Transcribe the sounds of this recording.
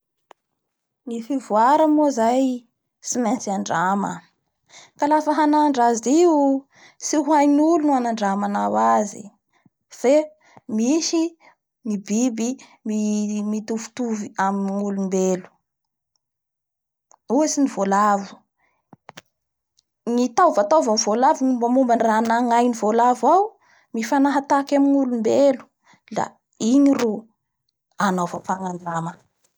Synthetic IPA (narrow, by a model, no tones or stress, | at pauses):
nifivuaɾəmozaj | simant͡siaɳɖ͡ʐamə̰ | kalafəɦanaɳɖ͡ʐaziu | siɦuajnulunuanaɳɖ͡ʐamanawazḭ | fe | miʃi | nibibi | mimit̪ufu̥t̪uviaminnulumbelu̥ | uesinivolavu̥ | ŋit̪awvat̪awvamivolavuŋumbamumbanranaŋajnivolavaw | mifanaɦat̪akamiŋulumbelu̥ | la̰ | iɲiru | anofafaŋaɳɖ͡ʐamə